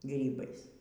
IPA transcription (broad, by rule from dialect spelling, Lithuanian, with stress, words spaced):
ˈɡrʲiːbɐɪs